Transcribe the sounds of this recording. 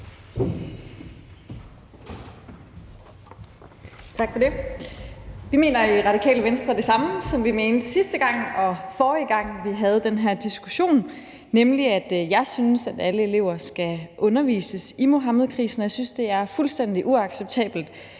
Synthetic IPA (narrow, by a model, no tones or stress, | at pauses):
t͡sʰɑ̈ɡ̥fɒde̝ | ʋime̝̰ːnɐiʁɑ̈ɾ̥ikʰɛ̰ːləʋensd̥ʁɐd̥e̝sɑ̈məsɒ̽mʋime̝ːnd̥sisd̥əɡ̥ɑ̈ŋ̰ɒ̽fɒːiɡ̥ɑ̈ŋ̰ʋiɦæð̞̩ˠd̥enɦæɐ̰d̥isɡ̥uɕo̝̰ːnː | emliæd̥jɑ̈ɪsynsæd̥æləe̝le̝ʊ̰ɐsɡ̥æʔɔ̽nɐʋḭːsəsimo̝ɦɑməðˠkʰʁḭːsn̩ɒjsynsd̥e̝æɐfulsd̥en̰d̥iʔuɑ̈ɡ̥seb̥̚t͡sʰɛ̰ːb̥l̩d̥